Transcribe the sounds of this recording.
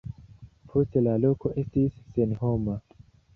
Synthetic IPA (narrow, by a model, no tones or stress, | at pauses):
pʰo̞ste̞lalo̞ko̞ʔe̞stisːe̞nho̞ma